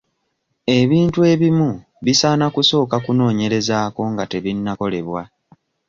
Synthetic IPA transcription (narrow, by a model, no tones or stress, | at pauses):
e̞βiːntue̞βimu | βisanakuso̞ːkakuno̞ːɲe̞ɾe̞zaːko̞ŋɡate̞βinːako̞le̞βwa